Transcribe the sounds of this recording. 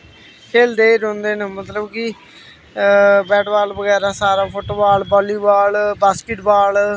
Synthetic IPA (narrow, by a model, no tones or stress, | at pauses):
kʰeːld̪eːɾõːnd̪eːnəmət̪ləbkɪ | bɛːʈʋaːlʋəɡɛːɾaːsaːɾaːpʰoʈoːbaːlbɔːliːbaːlbaːskɪʈbaːl